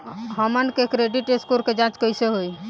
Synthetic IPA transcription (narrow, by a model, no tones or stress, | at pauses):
ɦəmənkekɾeɖiʈeskuɾked͡ʒãt͡ʃkəjseɦoj